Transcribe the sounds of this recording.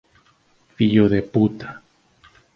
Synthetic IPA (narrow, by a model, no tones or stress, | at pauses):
fiʎoðeput̪ḁ